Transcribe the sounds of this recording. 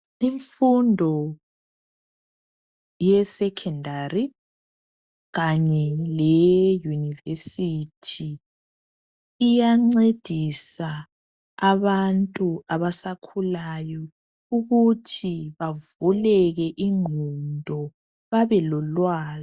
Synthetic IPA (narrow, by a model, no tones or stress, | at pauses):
iɱfundʱɔ | jɛsɛkʰɛndari | ɣaɲɛlɛjunivesitʰi | jaŋ͡ǀed̥ʱisaː | βantʼuaβasakʰulajɔ | uɣutʰiβavulɛɣɛʔiŋundʱɔ | βaβɛlɔlwaːzɔ